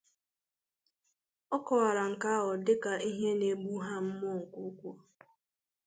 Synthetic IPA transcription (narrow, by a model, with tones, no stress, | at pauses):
ɔ˦kɔ˨wa˨ɾa˨ŋ̩˨ka˦ɦɔ˨dɪ˦ka˨i˦ɦe˦ne˨bu˦ɦa˦m̩˦m˦ɔ˦˨ŋ̩˨kʷu˦kʷu˦˨